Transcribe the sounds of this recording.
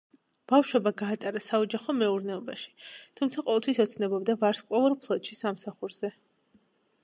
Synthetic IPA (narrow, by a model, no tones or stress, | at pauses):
b̥afʃwɛbaɡaːt̪ʼaɾasaɔd͡ʒaχɔmɛuɾnɛɔba̰ʃi̥t̪ʰumt̪sʰaqʼɔvɛlˠt̪ʰwisɔt̪sʰnɛbɔbd̪avaɾsqʼwɛvɔɾpʰlˠɔt̪ʃisamsaχuɾz̥ɛ